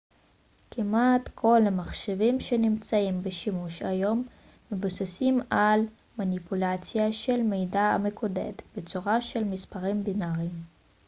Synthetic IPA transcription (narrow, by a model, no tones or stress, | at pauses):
kimatkʰo̞lamaχʃevimʃe̞nimt͡saimbeʃimuʃajo̞mː | ebusasimal | manipulat͡sjaʃe̞lmejdaa̰mekʰodḛt̪bet͡suʁaʃe̞lmispaʁimbinaʁim